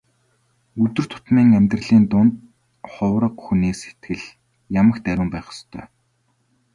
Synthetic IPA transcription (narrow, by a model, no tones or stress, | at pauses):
ɵt̪ɵ̆r̥t̪ʰʊ̥t̪miːŋæmʲt̪rə̆ɮiːnt̪ʊnt̪̚ | χʊwɾə̆qxuniːkse̥t̪ɡɘ̆ɮ | jamə̆xt̪æɾʲʊ̆ːmpæːχə̥st̪ʰœ̰ː